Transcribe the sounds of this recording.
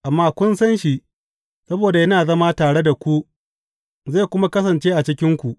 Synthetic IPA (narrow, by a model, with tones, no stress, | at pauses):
ʔa˨mːaː˦kʷʊ˦nsɐ˦nʃi˦ʔ | sɐ˦boː˨da˨jɐ˦naː˨zɐ˦ma˦taː˨ɽe˦da˨kʷu˦ʔ | ze˦˨kʷʊ˦ma˦kɐ˦s̬ɐ˨nt͡ʃeː˦ʔa˨t͡ʃɪ˦kʲɪ˦ŋkʷu˨ʔ